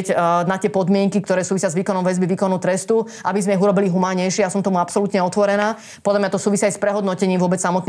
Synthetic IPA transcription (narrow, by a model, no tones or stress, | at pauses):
cnat̪ɪɛpɔd̪mɪɛŋkikt̪ɔɾɛːsuːʋisɪazʋiːkɔnɔmʋɛzbiʋiːkɔnɔʊt̪ɾɛst̪u | ʔabizmɛiɦuɾɔbiliɦumaːɲɛjʃɪɛjasɔmt̪ɔmuapsɔlut̪ɲɛɔt̪ʋɔɾɛnaː | pɔd̪lamɲat̪ɔsuːʋisiajspɾɛɦɔd̪nɔcɛɲiːmʋʊɔbɛt͡ssamɔt̪n